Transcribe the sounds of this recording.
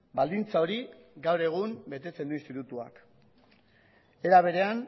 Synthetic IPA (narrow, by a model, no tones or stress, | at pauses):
bald̪int͡sao̞ɾiɡawɾe̞ɣ̞umbe̞t̪e̞t͡se̞nd̪uinst̪it̪ut̪ua̰k | e̞ɾaβ̞e̞ɾe̞an